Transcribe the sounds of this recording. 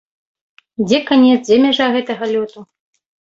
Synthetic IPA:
d͡zʲɛkanʲɛt̪zd͡zʲɛmʲaʐaɣɛt̪ɐɣɐlʲɔt̪u

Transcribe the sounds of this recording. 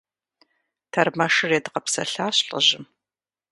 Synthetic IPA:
tʰɐrmɐʂɨreːdɨqɐpsɐɬaːɕɬʼə̰ʑɪm

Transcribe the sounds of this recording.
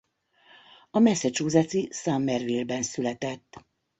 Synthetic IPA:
ɒmɛsɛt͡ʃoːzat̪sisaːmːɛrvilbɛnsylɛt̪ɛt̪ː

